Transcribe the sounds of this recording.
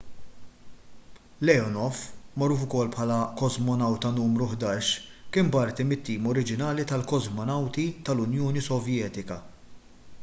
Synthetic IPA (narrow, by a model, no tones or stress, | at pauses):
lɛɔnɔfmɔɾːuːfʊkɔlːpħɐːlɐkɔzmɔnɐwt̪ɐnuːmɾʊħd̪ɐːʃkɪːmbɐɾt̪imɪt̪ːiːmɔɾɪd͡ʒɪnɐːlit̪ɐlkɔzmɔnɐwt̪it̪ɐlʊnjɔːnisɔvjɛːt̪ɪkɐ